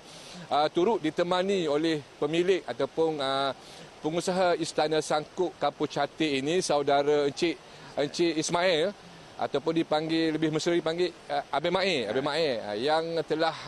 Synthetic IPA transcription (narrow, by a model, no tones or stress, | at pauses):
ət̪uɾʊʔ̪̚dit̪əmãnĩolɛhpəmilɪʔat̪awpʊnə | pəŋusaɦaist̪anasaŋkʊʔkaput͡ʃat̪einĩsawdaɾaəɲt͡ʃɪʔ | əɲt͡ʃɪʔismaɛl | ʔa̰t̪awpʊndipaŋɡeləbɪhməsəɾdipaŋɡɪʔabeʔmãɛa̰baʔmaɛl̰jaŋt̪əlah